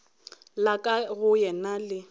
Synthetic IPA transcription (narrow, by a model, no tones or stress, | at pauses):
lakʼaɣʊjɛnalɪ